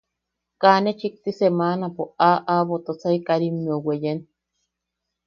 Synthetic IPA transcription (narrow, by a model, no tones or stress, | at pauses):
kanet͡ʃik̚t̪isemaːnapoaʔaβot̪ot͡saikaɾimiowejen